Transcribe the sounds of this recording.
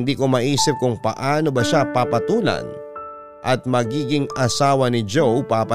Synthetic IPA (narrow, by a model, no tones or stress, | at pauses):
nd̪iːkomɐʔiːsɪp̚kʊŋpɐʔaːno̞bɐʃapapɐt̪uːlɐ̰n | ʔɐt̪̚mɐɡiːɡɪŋɐsaːwɐnɪd͡ʒowpapɐ